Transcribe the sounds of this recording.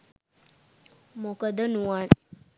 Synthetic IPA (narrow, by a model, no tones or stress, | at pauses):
mokəd̪ənuaɳ